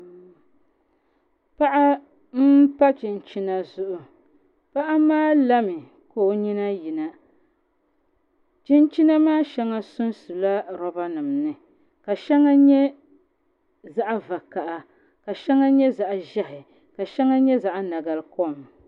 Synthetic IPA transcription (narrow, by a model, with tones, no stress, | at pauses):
pa˦ʔa˦ | m̩˦pa˦t͡ʃi˨nt͡ʃi˦na˦zʊ˦ʔʊ˨ | pa˦ʔa˦maː˦la˦mɪ˨ | ko˦˨ɲi˦na˦ji˨na˨ | t͡ʃi˦nt͡ʃi˦na˦maː˦ʃɛ˦ŋa˦sʊ˦nsu˨la˦ɾɔ˦ba˦nɨ˨mnɨ˨ | ka˨ʃɛ˦ŋa˦ɲɛ˦ | za˦ʔa˦va˨ka˨ʔa˨ | ka˨ʃɛ˦ŋa˦ɲɛ˦za˨ʔʒɛ˦hɪ˨ | ka˨ʃɛ˦ŋa˦ɲɛ˦za˨ʔna˨ɡa˨lko˦˨m